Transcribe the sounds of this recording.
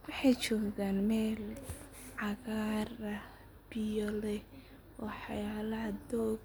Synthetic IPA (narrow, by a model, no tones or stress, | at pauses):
wɑħɑjt͡ʃɔːɡɣaːnmɛːl | ʕɑɣaːrɐ | b̥ɪjɔlɛ | wɑħɑ̰jaːlɐd̪ɔːɡ